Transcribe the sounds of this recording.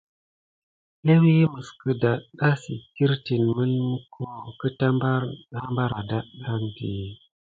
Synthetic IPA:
le˦wi˦mə˨skə˨da˨ɗa˦si˨ki˦ɾti˨nmə˦lmə˦kʰo˦kə˦ta˦mba˦ha˦mba˦ɾa˨da˦ɗa˦ndi˨

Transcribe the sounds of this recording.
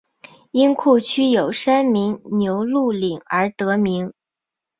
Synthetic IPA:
i˥nkʰu˥˩t͡ɕʰy˥jo˨˩ʊʂa˥nmi˧˥ŋnjo˧˥ʊlu˥˩li˨˩ŋə˞˧˥t̪ɤ˧˥mi˧˥ŋ

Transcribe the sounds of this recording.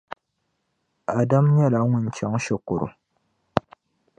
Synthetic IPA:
a˨da˦mɲɛ˦la˨˦ŋʷʊ˦n̩˨t͡ʃa˨˦ŋʃɪ˨kʊ˨ɾʊ̰˨

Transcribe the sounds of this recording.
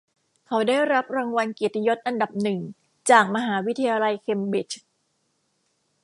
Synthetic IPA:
kʰa˦˥wdaː˥˩jɾa˦˥p̚ɾaː˧ŋwa˧nke˨˩t̪i˧jo˦˥t̪̚ʔa˧nda˨˩p̚nɯ˨˩ŋ | t͡ɕaː˨˩k̚ma˧ɦaː˩˦wi˦˥t̪ʰːa˧jaː˧la˧jkʰe˧mbi˦˩t͡ɕ

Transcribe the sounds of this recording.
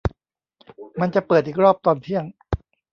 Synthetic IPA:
ma˧nt͡ɕa˨˩pɤː˨˩t̪̚ʔiː˨˩ɾɔː˥˩p̚t̪ɔː˧nt̪ʰi˥˩əŋ

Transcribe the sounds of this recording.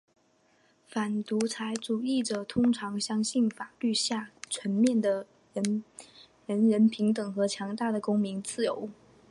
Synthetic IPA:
fa˨˩nt̪u˧˥t͡sʰa˧˥ɪʈ͡ʂu˨˩i˥˩ʈ͡ʂə˨˩t̪ʰʊ˥ŋʈ͡ʂʰɑ˧˥ŋɕjɑ˥ŋɕi˥˩nfa˨˩ly˥˧ɕja˥˩ʈ͡ʂʰɥə˧˥nmjɛ˥˩nd̪ə˩ | ɻə˧˥n | ɻə˧˥nɻə˧˥npʰi˧˥ŋt̪ɤ˨˩ŋxɤ˧˥t͡ɕʰjɑ˧˥ŋt̪a˥˩d̪ə˩kʊ˥ŋmi˧˥ŋt͡sɹ̩˥˩jo˧˥ʊ

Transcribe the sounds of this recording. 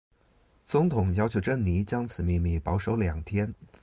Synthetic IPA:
t͡sʊ˧˥ŋt̪ʰʊ˨˩˦ŋjɑ˥ʊt͡ɕʰjo˧˥ʈ͡ʂə˥˩nni˧˥t͡ɕjɑ˥ŋt͡sʰɹ̩˨˩mi˥˧mi˥˩pɑ˧˥ʊʂo˧˥ʊljɑ˨˩ŋt̪ʰjɛ˥n

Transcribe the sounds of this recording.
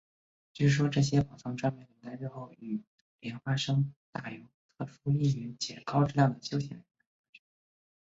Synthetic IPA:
t͡ɕy˥˩ʂ̩˥˩ʂ̬wɔ˥ʈ͡ʂɤ˥˩ɕ̬jɛ˥pɑ˨˩t͡sʰɑ˧˥ŋʈ͡ʂwa˥npjɛ˥˩nljɛ˧˥ŋt̪a˥˧ɪʈ͡ʂɻ̩˥˧xo˥˩ʊy˨˩ | ljɛ˧˥nxwa˥ʂɤ˥ŋt̪a˥˩jo˧˥t̪ʰɤ˥˩ʂu˥i˥˩y˧˥t͡ɕjɛ˨˩kɑ˥ʊʈ͡ʂɻ̩˥˧ljɑ˥˩ŋd̪ə˩ɕjo˥ʊɕ̬jɛ˥˩nljə˧˥ŋt̪a˥˩˥ʈ͡ʂ̩˥˩

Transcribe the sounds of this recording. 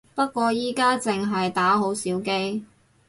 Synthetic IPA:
pɐ˥t̚kːʷɔː˧jiː˥kaː˥t͡sɪ˨ŋɦɐ˨jt̪aː˨˥ɦo˨˥wsiː˨˥wke˥j

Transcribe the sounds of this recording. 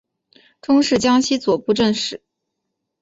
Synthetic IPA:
ʈ͡ʂʊ˥ŋʂɻ̩˥˩t͡ɕjɑ˥ŋɕi˥t͡swɔ˨˩pu˥˧ʈ͡ʂə˥˧nʂɻ̩˨˩˦

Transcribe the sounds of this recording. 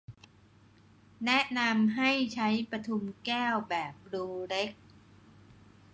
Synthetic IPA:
nɛ˦˥ʔna˧mɦa˥˩jt͡ɕʰa˦˥jpɾa˧t̪ʰu˧mkɛː˥˩wbɛː˨˩p̚ɾuː˧ɾe˦˥k̚

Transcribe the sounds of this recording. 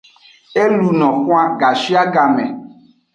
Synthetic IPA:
e˦lu˨nɔ̃˨kũ˦a˦ɡa˨si˦a˦ɡa˨mɛ̃˨

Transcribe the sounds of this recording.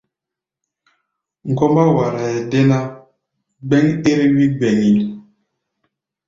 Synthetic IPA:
ŋ̩˨kɔ˦mba˦wa˨ɾa˨ɛ˨de˦na˦ | ɡ͡bɛ˦ŋe˦ɾi˦wi˦ɡ͡bɛ˨ŋi˨

